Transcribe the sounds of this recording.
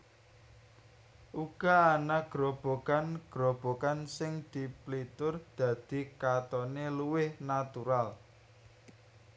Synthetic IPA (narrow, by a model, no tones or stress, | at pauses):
ʔuɡ̥aanaɡ̥ɾob̥o̤kanɡ̥ɾob̥o̤kansɪŋd̪̥i̤plit̪ʊrd̪̥ä̤d̪̥i̤kat̪ɔneluwɪhnat̪uɾal